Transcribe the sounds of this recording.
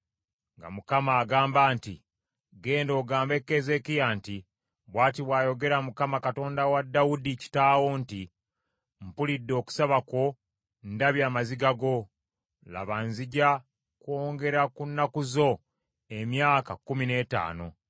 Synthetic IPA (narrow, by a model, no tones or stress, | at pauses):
ŋɡa̰mukamaːɡaːmbaːnti | ɡe̞ːndo̞ːɡaːmbe̞kːeze̞kijanti | βwaːtiβwaːjo̞ɡe̞ɾamukamakato̞ːndawadːawudici̥taːwoːnti | m̩pulidːo̞ːku̥saβako̞ | ndaβjaːmaziɡaɡo̞ | la̰βanziɟa | kwoːŋɡe̞ɾakunːakuzo̞ | emjaːkakumine̞ːta̰ːno̞